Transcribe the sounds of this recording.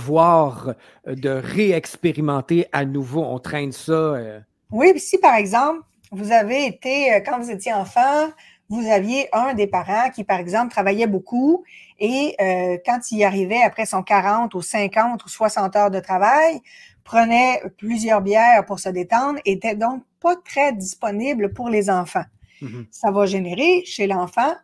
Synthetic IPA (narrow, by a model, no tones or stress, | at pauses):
vwaːʁ | d̪əʁeɛkspeʁimɑ̃t̪eʔanuvoɔ̰̃t̪χɛ̃nsʌø | wisipaʁɛɡzɑ̃pl | vuzaveːt̪eøkɑ̃vuzet̪jeɑ̃fɑ̃ | vuzavjeʔœ̃d̪epaʁɑ̃kʲipaʁɛɡzɑ̃plt̪χavajɛboku | eøkɑ̃t̪iaʁivɛapχɛsɔ̃kaʁɑ̃t̪usɛ̃kɑ̃t̪uswasɑ̃t̪œːʁd̪ət̪χavaj | pχənɛplyzjœːʁbjɛːʁpuʁsəd̪et̪ɑ̃d̪ʁet̪ɛd̪ɔ̃k̚pat̪χɛd̪ispɔniblpuʁlezɑ̃fɑ̃ | savaʒeneʁeʃelɑ̃fɑ̃